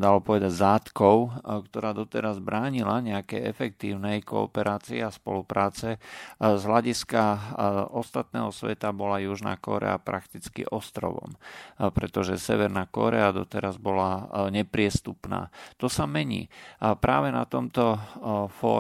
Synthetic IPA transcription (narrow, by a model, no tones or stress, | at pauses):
d̪alɔpɔʋɛd̪aɟzaːt̪kɔʊkt̪ɔɾaːd̪ɔt̪ɛɾazbɾaːɲilaɲɛakɛjɛfɛk̚t̪iːʊnɛjkɔ̰ɔːpɛɾaːt͡siɛaspɔ̰lupɾaːt͡sɛzɦlaɟiska | ɔst̪at̪̚nɛ̰ːɦɔsʋɛt̪abɔlajuʒna̰ːkɔ̰ɾɛ̰apɾakt̪it͡skḭʔɔst̪ɾɔ̰ʋɔ̰mpɾɛt̪ɔʒɛsɛʋɛɾnakɔ̰ɾɛad̪ɔt̪ɛɾazbɔlaɲɛpɾɪɛst̪upna̰ːt̪ɔsamɛɲḭːpɾaːʋɛna̰t̪ɔmt̪ɔfɔ̰ː